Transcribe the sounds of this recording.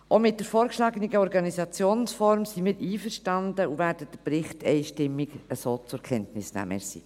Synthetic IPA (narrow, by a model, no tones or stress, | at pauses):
ʔomɪt̚d̥əɾfoːɾkʃlɑːɡəniɡəɔɾɡɑnisɑt͡sjoːnsfɔɾmsimiːɾʔiːfəɾʃtɑndəuvæːɾd̥əd̥əpɾɪχtʰɛ̰ɪʃtɪmːiɡəsoːt͡sʊɾkʰɛntnɪsnæ̰ːmə̰sḭː